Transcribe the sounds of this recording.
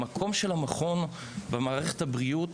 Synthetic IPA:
makʰo̞mʃelhamaχo̞n | bemaːʁeχethabʁiut

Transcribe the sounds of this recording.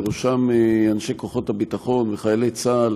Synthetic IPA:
ʁuʃameanʃeko̞χo̞thabitaχo̞nveχajalet͡saːl

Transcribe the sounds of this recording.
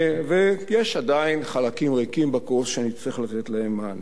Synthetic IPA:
vejeʃad̪ainχalakimʁekimbakosʃeanit͡sʁiχlat̪et̪laemːaːn

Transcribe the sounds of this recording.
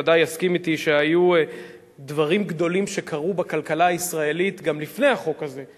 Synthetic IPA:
dajaskimit̪iʃe̞aju | d̪vaʁimɡd̪o̞limʃe̞kʰaʁubakalkalaːisʁae̞lit̪ɡamlifne̞jaχo̞kaze̞

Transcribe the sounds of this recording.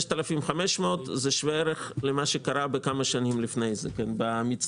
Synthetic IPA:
ʃt̪alafimχameʃmeot̪zeʃveeɾeχlemaʃekaɾabekamaʃanimlifnejzḛkenbamit͡s

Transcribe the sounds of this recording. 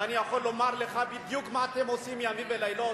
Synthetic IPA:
aniaχolomaɾleχabid̪jukmat̪emosimjamibelajlɔ

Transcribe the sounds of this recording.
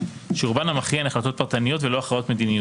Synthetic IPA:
ʃuʁbanamaχiaenaχlat̪o̞t̚paʁt̪anijo̞tvelo̞aχʁao̞t̪med̪inijo

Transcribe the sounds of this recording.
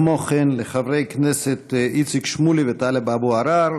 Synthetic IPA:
moχinleχavɾejknɛset̪ʔit͡sikʃmulivet̪alebabuaɾaɾ

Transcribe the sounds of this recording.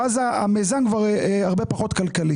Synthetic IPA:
azaa̰mezankvaʁaʁbepaχo̞t̪kalkali

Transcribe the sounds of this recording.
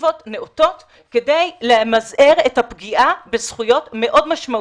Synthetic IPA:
vo̞tneoto̞t | kedejlemazeʁetapɡiʔabezχujo̞tme̞ʔo̞dmaʃma

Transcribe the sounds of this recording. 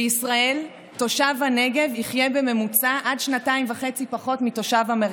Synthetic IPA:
isʁae̞l | to̞ʃavhane̞ɡe̞viχje̞be̞me̞mut͡saʔadʃnataimvaχe̞t͡sipaχo̞tmito̞ʃavameʁ

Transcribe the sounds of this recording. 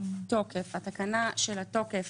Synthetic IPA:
to̞kefhatakanaʃelato̞kef

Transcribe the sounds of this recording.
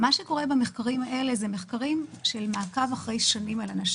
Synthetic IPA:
maʃeko̞ʁebameχkaʁimaʔe̞le̞zeme̞χkaʁimʃelmaːkavaχʁe̞jʃonimalanaʃ

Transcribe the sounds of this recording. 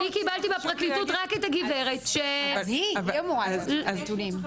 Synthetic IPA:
ikibaltibepʁaklit̪utʁakethaɡiveʁetʃeiomoazazt̪ulim

